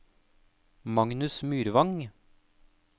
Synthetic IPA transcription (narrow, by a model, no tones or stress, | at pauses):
mɑŋnʉsmyːɾʋɑŋ